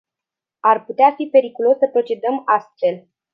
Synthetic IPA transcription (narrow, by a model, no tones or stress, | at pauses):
arput̪eafipe̞ɾikulo̞sːəpɾo̞t͡ʃe̞d̪əmast̪fe̞l